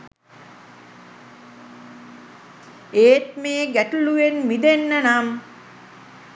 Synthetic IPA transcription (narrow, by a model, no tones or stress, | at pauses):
eːt̪meːɡæʈuluenmid̪enːənam